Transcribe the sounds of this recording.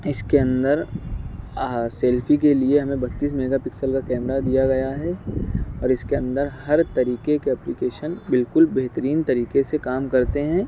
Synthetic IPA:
ɪskeɐ̃nd̪əɾ | seːlfikelieɦɐmẽbɐt̪ːiːs̬meːɡapɪksəlkakɛːmɾad̪ijaɡɐjaɦɛɔːɾɪskeɐ̃nd̪əɾhɐɾt̪ɐɾiːkekeɛplikeːʃənbɪlkʊlbeɦt̪əɾiːnt̪ɐɾiːkesekaːmkɐɾt̪eɦɛ̃ː

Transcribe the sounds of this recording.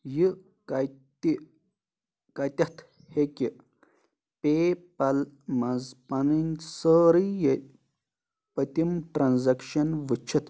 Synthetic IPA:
ji | kɐjt̪i | kɐt̪ʲɐt̪ʰ | heki | pepɐlmɐzpɐnɨnʲsəːɾɨjɐ | pɐt̪imʈɾɐnzɐkʃɐnʋɨt͡ʃʰit̪

